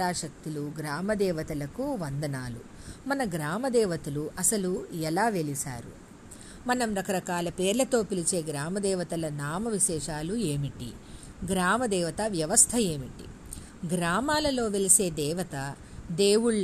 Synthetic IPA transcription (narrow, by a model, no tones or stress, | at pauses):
aːʃɐk̚t̪iluɡɾaːmɐd̪ɛːʋɐt̪ɐlɐkuʋɐnd̪ɐnaːlṵ | mɐnɐɡɾaːmɐd̪ɛːʋɐt̪uluʔɐsɐluɛlaːʋe̞lisa̰ːɾṵ | mɐnɐmɾɐkɐɾɐkaːlɐpe̞ːɾlɐt̪o̞ːpilit͡ʃe̞ːɡɾaːmɐd̪ɛːʋɐt̪ɐlɐnaːmɐʋiʃɛːʂaːlue̞ːmiʈḭ | ɡɾaːmɐd̪ɛːʋɐt̪ɐʋjɐʋɐst̪ʰɐe̞ːmiʈḭ | ɡɾaːmaːlɐlo̞ːʋelise̞ːd̪ɛːʋɐt̪ɐ | d̪eːwuɭː